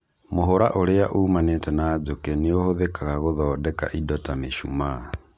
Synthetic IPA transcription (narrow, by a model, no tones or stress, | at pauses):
moɦoɾaʔoɾeaʔumanetɛnaːd͡ʒokɛneohoðekaɣaɣoðɔːdɛka̰ʔidɔtameʃṵma